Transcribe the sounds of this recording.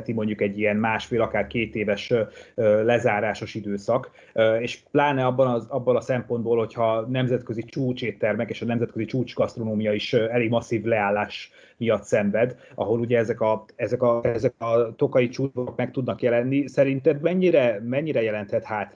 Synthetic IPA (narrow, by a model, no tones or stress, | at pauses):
t̪imo̞ɲɟukɛɟːiɛnmaːʃfeːlɒkaːrkeːt̪eːvɛʃøːlɛzaːɾaːʃo̞ʃid̪øːsɒk | øeːʃplaːnɛɒbːɒnɒɒbːonɒsɛmpo̞nd̪̚boːlho̞chɒnɛmzɛt̪kø̞zit͡ʃuːt͡ʃeːt̪ːɛrmɛkeːʃɒnɛmzɛt̪køzit͡ʃuːt͡ʃɡɒst̪ro̞noːmijɒiʃɛleːɡmɒsːiːvlɛaːlːaːʃ | mijɒt̪sɛɱvɛd̪ʔɒ̰ɦo̞luɟɛɛzɛkɒɛzɛkɒɛzɛkɒt̪o̞kɒit͡ʃuːvookmɛkt̪ud̪nɒkjɛlɛnːisɛɾint̪ɛbmɛɲːiɾɛmɛɲːiɾɛjɛlɛnt̪hɛt̪haːt̪